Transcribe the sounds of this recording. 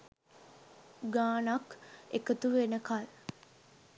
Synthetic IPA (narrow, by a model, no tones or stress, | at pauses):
ɡaːnakḛkət̪uʋenəkal